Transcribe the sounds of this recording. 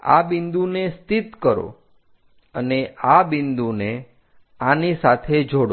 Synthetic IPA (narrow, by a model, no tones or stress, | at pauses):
a̰bind̪unest̪it̪kəɾo̰ | əneabɪnd̪une | anisat̪ʰed͡ʒʱoɽo